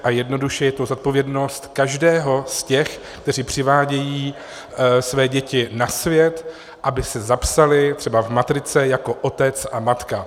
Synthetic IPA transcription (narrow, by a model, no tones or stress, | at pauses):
ʔajɛdno̞duʃɛjɛt̪ozot̪̚po̞vjɛdno̞st̪kaʒdɛːɦo̞scɛx | kt̪ɛriːpr̝̥ɪvaːɟɛjiː | svɛːɟɛcɪnasvjɛt̪ | ʔabɪsɛzapsalɪt̪r̥ɛbavmat̪ɾɪt͡sɛjako̞ʔot̪ɛt͡sʔamat̪ka